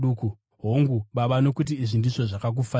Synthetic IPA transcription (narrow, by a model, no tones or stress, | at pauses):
uku | ɦoŋɡuɓaɓanokutiiʐindiʐo̞ʐakak̬ufa